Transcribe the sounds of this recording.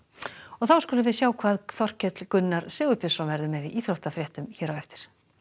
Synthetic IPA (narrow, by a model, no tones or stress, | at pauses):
ɔɣθawskuːlɪvɪːðsjaːwkʰvaːðθɔr̥cɛt̪lkʏnːaɾ̥sʏːɣʏpjɪsɔnvɛɾðʏmɛðiʔiːθɾowht̪afɾjɛht̪ʏmçɛːɾawɛft̪ɪ̥ɾ̥